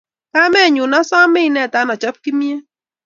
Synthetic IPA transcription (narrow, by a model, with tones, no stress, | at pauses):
ka˦mɛ˦˨ɲʊ˨na˦sɔ˦mɪ˦nɛ˦˨ta˨˦nɔ˨t͡ʃɔ˦p̚ki˦mi˦e˦